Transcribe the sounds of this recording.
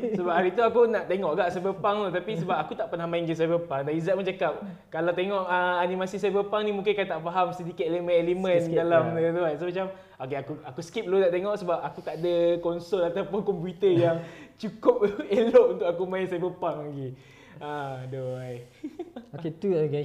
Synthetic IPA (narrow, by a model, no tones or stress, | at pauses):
səbaphaɾit̪uakunaʔt̪eŋɔʔɡaʔsajbəpaŋlot̪apisəbapakut̪aʔpənahmãiŋɡəs̬ajbəpaŋdanizat̚mət͡ʃakap̚ | kalawt̪eŋɔʔəanimasis̬ajbəpaŋnĩmũŋk̬ɪnkajt̪aʔfaɦamsədikit̪̚elemə̃nelemə̃ndalamdəduajsmat͡ʃam | okeakuakuskip̚lonaʔt̪eŋɔʔsəbap̚akut̪aʔdəkɔnsolat̪awpʊnkɔmpjut̪əjaŋt͡ʃukʊp̚eloʔunt̪ʊkakumãɪnsajbəpaŋlaɡi | adoaj | oket̪u